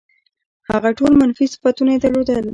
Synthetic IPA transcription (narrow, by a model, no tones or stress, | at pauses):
haɣaʈolmanfisɪ̥fat̪unaed̪əɾlod̪əl